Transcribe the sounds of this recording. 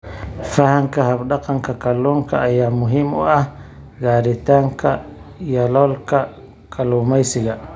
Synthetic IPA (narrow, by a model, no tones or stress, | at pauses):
fahaŋkahabɗɑqɑŋkʰakɐlːuːŋkʰaːjaːmʊɦimɔ̰ah | ɡaːɾit̪aːŋkʰa | jɐlɔlka | kʰʼɐluːmajsɪɡa